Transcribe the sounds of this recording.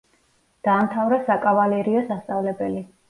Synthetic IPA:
d̪̥aːmt̪ʰavɾasakʼavalɛɾiɔsast̪sʼavlɛbɛli

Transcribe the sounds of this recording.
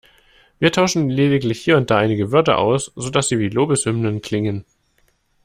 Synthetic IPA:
viːɐtʰaʊʃn̩leːdɪklɪçhiːɐʊnt̚d̥aːʔaɪnɪɡəvʏɐtɐ̰ʔa̰ʊsz̥odasz̥iːviːloːbəshʏmnənkʰl̥ɪŋən

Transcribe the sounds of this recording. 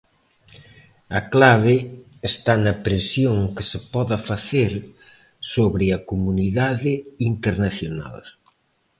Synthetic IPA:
ɐklaβɪː | st̪anɐpɾesjoŋkɪsɪpɔðɐfaθeɾ | soβɾɪɐkomuniðaðɪint̪eɾnaθjona̰l

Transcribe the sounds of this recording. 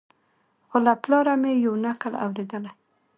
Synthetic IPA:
xolaplɑɾamejawnakəla̰wɾed̪əla

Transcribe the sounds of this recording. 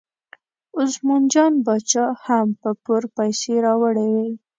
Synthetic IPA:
ʊzmund͡ʒɑnbɑt͡ʃɑhampəpʊɾpajseɾɑwəɽewe

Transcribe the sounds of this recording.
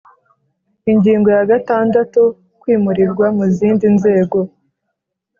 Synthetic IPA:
iɲɟiːŋɡo̞jaɡataːndatu | kwiːmuɾiɾɡwamuziːndinze̞ːɡo̞

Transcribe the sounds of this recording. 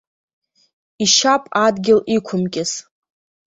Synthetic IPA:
iʃapʼadɡʲɪlikʷʰʊmkʲʼɪz

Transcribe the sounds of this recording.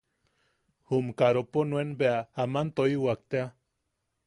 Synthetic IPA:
humkaɾoponwenbeaamant̪oiwak̚t̪ea

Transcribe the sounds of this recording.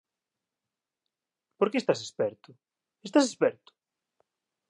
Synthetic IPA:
poɾkeːst̪asespɛɾt̪ʊ | est̪asespɛɾt̪ʊ̥

